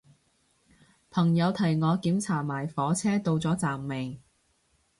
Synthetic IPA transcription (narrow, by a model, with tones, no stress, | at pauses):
pʰɐ˨˩ŋjɐ˨˧wt̪ʰɐ˨˩jŋɔː˨˧kiː˨˥mt͡sʰaː˨˩maː˨˩jfɔː˨˥t͡sʰɛː˥t̪o˧wt͡sɔː˨˥t͡saː˨mːe˨˩ŋ